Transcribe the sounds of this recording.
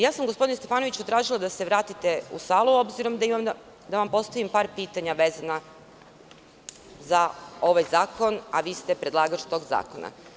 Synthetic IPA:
jaːsamɡospo̞d̪inest̪e̞faːno̞ʋit͡ɕut̪ɾaːʒilˠad̪ase̞ʋɾaːt̪it̪e̞ṵsaːlˠuo̞bziɾo̞md̪aimam | d̪aʋampo̞st̪aʋimpaːɾpiːt̪aɲaʋezana | zao̞ʋajzaːko̞na̰ʋiːst̪e̞pɾe̞d̪lˠaːɡat͡ʃt̪o̞ːɡza̰ːkona̰

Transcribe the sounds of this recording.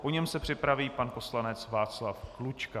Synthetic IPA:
poɲɛmsɛpr̥ɪpɾaviːpanpo̞slanɛt͡svaːt͡slafklut͡ʃka

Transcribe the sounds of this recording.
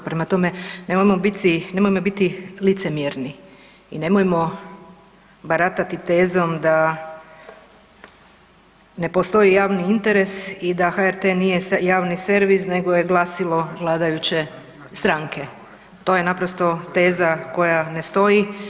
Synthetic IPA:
pɾemat̪o̞me̞nemojemobit̪ine̞mojmo̞bit̪ilit̪semjeɾni | ḭne̞mojemo̞ | baɾat̪at̪it̪e̞ːzo̞md̪a | ne̞po̞st̪o̞jijaːʋniint̪e̞ɾe̞sid̪axaeɾt̪enije̞jaːʋnise̞ɾʋisne̞ɡo̞jeɡlˠaːsilo̞ʋlˠaːd̪ajut͡ɕe̞ | st̪ɾaŋke̞ | t̪o̞jenapɾost̪o̞t̪e̞ːzako̞jane̞st̪o̞ji

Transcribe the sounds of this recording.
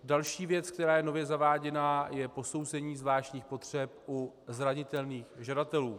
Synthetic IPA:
dalʃiːvjɛt͡sk̚t̪ɛɾaːjɛno̞vjɛzavaːɟɛnajɛpo̞sowzɛɲiːzvlaːʃɲiːxpo̞t̪r̝̥ɛp̚ʔu | zɾaɲɪt̪ɛlniːxʒadat̪ɛluː

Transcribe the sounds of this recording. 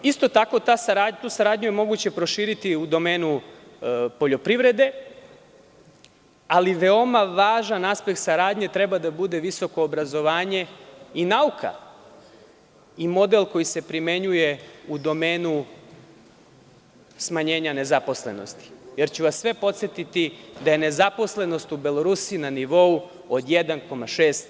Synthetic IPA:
ist̪o̞t̪ako̞t̪asaɾaːdt̪uːsaɾaːd̪ɲuje̞mo̞ɡut͡ɕe̞pɾo̞ʃiːɾit̪iud̪o̞me̞ːnu | po̞ʎo̞pɾiʋɾe̞d̪e̞ | aliʋe̞o̞maʋaːʒanaspe̞k̚t̪saɾaːd̪ɲe̞t̪ɾe̞bad̪abud̪e̞ʋiso̞ko̞ːbɾazo̞ʋaːɲe̞inaukʰa̰ | imo̞d̪e̞lko̞jise̞pɾime̞ɲuje̞ud̪o̞meːnu | smaɲe̞ːɲane̞zapo̞sle̞̰no̞̰st̪i̥je̞ɾt͡ɕuʋasːʋe̞po̞t̪sʲjet̪it̪id̪aje̞ne̞zapo̞sle̞no̞st̪ubelo̞ɾusinaniʋo̞u | od̪jed̪anko̞maʃeːst̪

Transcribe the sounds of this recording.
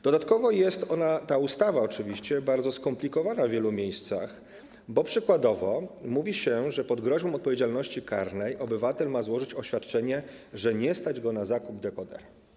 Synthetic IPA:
d̪̥ɔd̪at̪kɔvɔjɛst̪ɔnat̪aust̪avaɔt͡ʂɘvʲiɕt͡ɕɛbaɾd̪zɔskɔmplʲikɔvanavvʲjɛlumʲjejst̪sa̰x | bɔpʂɘkwad̪ɔvɔmuvʲiɕɛʐɛpɔd̪ɡɾɔʑbɔ̃m̃ɔt̪pɔvʲjed͡ʑalnɔɕt͡ɕikaɾnɛjʔɔbɘvat̪ɛlmazwɔʐɘt͡ɕɔɕfʲjat̪̚t͡ʂɛɲɛ | ʐɛɲɛst̪ad͡ʑɡɔnazakubd̪ɛkɔd̪ɛ̰ɾ

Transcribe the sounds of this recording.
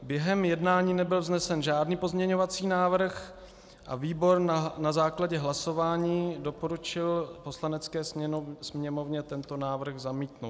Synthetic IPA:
bjɛɦɛmjɛdnaːɲiːnɛbɪlvznɛsɛnʒaːdniːpo̞zmɲɛɲovat͡siːnaːvr̩x | ʔaviːbo̞ɾnazaːklaɟɛɦlaso̞vaːɲiːdo̞po̞ɾut͡ʃɪlpo̞slanɛt͡skɛːssmɲɛmo̞vɲɛt̪ɛnt̪o̞naːvr̩ɣzamiːt̪no

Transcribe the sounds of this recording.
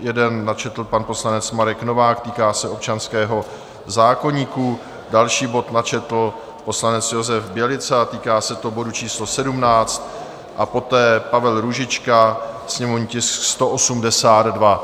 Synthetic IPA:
jɛdɛnːat͡ʃɛt̪l̩panpo̞slanɛt͡smaɾɛkno̞vaːkt̪iːkaːsɛʔo̞p̚t͡ʃanskɛːɦo̞ | zaːko̞ɲiːku | dalʃiːbo̞t̪nat͡ʃɛt̪l̩ | po̞slanɛt͡sjo̞zɛfbjɛlɪt͡sat̪iːkaːsɛt̪obo̞dut͡ʃiːslosɛdumnaːt͡st̪ | ʔapo̞t̪ɛːpavɛlɾuʒɪt͡ʃka | sɲɛmovɲcɪskst̪oʔo̞sumdɛsaːd̪dva

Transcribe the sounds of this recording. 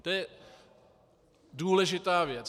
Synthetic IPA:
t̪ojɛ | duːlɛʒɪt̪aːvjɛt͡s

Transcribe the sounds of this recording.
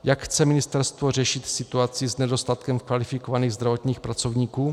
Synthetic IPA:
jakxt͡sɛmɪnɪst̪ɛɾst̪vor̝ɛʃɪt̪sɪt̪uat͡sɪznɛdo̞st̪at̪kɛmkvalɪfɪkovaniːɣzd̪ɾavo̞t̪ɲiːxpɾat͡so̞vɲiːkuː

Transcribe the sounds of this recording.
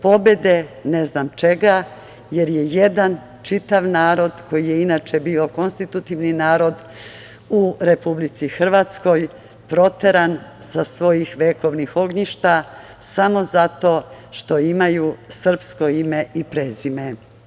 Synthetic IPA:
po̞be̞d̪e̞ne̞znaːmt͡ʃe̞ɡa | je̞ɾje̞jed̪an | t͡ʃit̪aʋnaːɾo̞d̪ko̞jije̞inat͡ʃe̞biːo̞ko̞nst̪it̪ut̪iʋninaːɾo̞d̪ | uɾe̞publit̪sixr̩ʋaːt̪sko̞j | pɾo̞t̪e̞ɾan | sasʋo̞jixʋeːko̞ʋnixo̞ɡɲiʃt̪a | samo̞zat̪o̞ː | ʃt̪o̞imajusr̩psko̞ime̞ipɾeːzime̞

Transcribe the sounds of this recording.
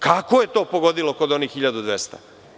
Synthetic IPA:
kakoje̞t̪o̞ːpoɡo̞d̪ilo̞ko̞d̪o̞niːxxiʎad̪ud̪ʋest̪a̰

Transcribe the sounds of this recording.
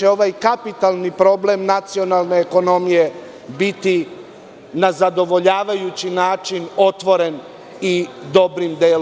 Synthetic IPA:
eo̞ʋajkapit̪alˠnipɾo̞ble̞mnat̪sio̞nalˠne̞ːko̞no̞mije̞ | bit̪i | nazad̪o̞ʋo̞ʎaːʋajut͡ɕinaːt͡ʃino̞t̪ʋo̞ɾe̞n | id̪o̞bɾimd̪eːl

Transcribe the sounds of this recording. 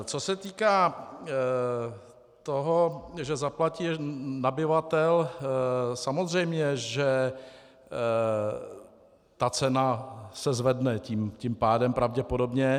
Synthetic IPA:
t͡sosɛt̪iːkaː | t̪oɦoʒɛzaplaciːnabɪvat̪ɛl | samozr̝ɛjmɲɛʒɛ | t̪at͡sɛnasɛzvɛdnɛciːmciːmpaːdɛmpɾavɟɛpo̞do̞bɲɛ

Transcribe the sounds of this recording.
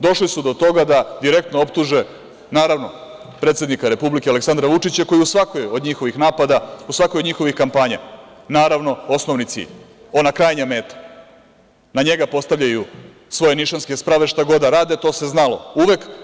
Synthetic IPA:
d̪o̞ʃlisud̪o̞t̪o̞ɡad̪ad̪iɾe̞k̚t̪noopt̪uʒe | naːɾaʋno̞ | pɾet̪se̞d̪nikaɾe̞publikeale̞ksand̪ɾaʋut͡ʂit͡ɕako̞jiusʋakojo̞d̪ɲixo̞ʋixnaːpad̪ausʋakojo̞d̪ɲixo̞ʋixkampaːɲa̰ | naːɾaʋno̞o̞snoʋnit̪sḭʎ | o̞nakɾajɲame̞ːt̪ḁ | naɲe̞ɡapo̞st̪aʋʎʲaju | sʋo̞jeniʃanskespɾaʋe̞ʃt̪aɡo̞d̪aɾaːd̪et̪o̞ːse̞znalo̞uʋe̞k

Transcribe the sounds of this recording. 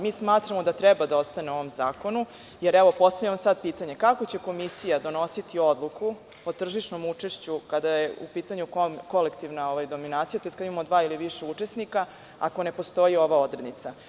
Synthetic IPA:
miːsmaːt̪ɾamo̞d̪at̪ɾɛbad̪ao̞st̪aneuo̞ʋo̞mzaːko̞nu | jeɾɛʋo̞po̞st̪aʋʎʲaʋamsad̪̚piːt̪aɲe̞kako̞t͡ɕe̞ko̞misijad̪o̞no̞sit̪io̞d̪lˠuku | ot̪r̩ʒiʃno̞mut͡ʂeʃt͡ɕukad̪ajeṵpiːt̪aɲukoko̞le̞kt̪iʋnao̞ʋajd̪o̞minaːt̪sijat̪oeskad̪imamod̪ʋaːiliʋiʂeut͡ʂe̞snika | a̰ko̞ne̞po̞st̪o̞jio̞ʋao̞d̪ɾed̪nit̪sa

